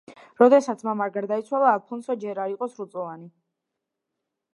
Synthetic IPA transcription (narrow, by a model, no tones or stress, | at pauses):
ɾɔd̪ɛsat̪sʰmamaɾɡaɾd̪ait̪sʰwalˠaːlˠpʰɔnsɔd͡ʒɛɾaɾiqʼɔsɾut̪sʼɔvani